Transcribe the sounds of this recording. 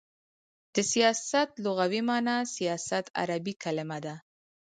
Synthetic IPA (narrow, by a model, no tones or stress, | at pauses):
d̪̥əsijɑsat̪loɣawimɑnasijɑsat̪a̰ɾabikalɪmad̪a